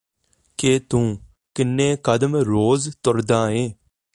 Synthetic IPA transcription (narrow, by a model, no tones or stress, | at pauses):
keːt̪ũː | kɪnːẽːkəd̪mɾoːzt̪ʊɾd̪ãːeː